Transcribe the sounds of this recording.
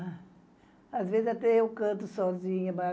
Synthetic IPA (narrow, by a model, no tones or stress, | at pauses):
azvezɪzat̪ɛewkɐ̃nt̪ʊsɔzĩɲɐma